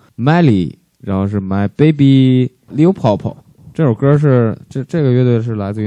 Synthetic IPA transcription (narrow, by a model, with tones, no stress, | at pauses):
ma˥ɪli˨˩ | ɻa˧˥nxo˥˧ʊʂɻ̩˥˩ma˥ɪpe˥ɪp̬i˥ | ljo˥pʰɑ˧˥˩ʊpʰo̰˨˩˦ | ʈ͡ʂɤ˥˩ʈ͡ʂʊ˨˩ŋkə˥ʂ̬ɻ̩˥˩ʈ͡ʂɤ˥˧ʈ͡ʂɤ˥˩ɡə˩ɥɛ˥t̪we˥˧ʂɻ̩˥˩la˧˥ɪt͡sɹ̩˥˧y˧˥